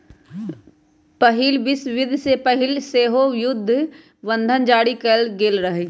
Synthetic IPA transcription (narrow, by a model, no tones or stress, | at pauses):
pɐɦɪlʋɪsʋɪd̪ʱsepəɦɪlseːɦojʊd̪ʱː | ʋə̃nd̪ʱənd͡ʒaːɽikɐlɡeːlɾəɦeː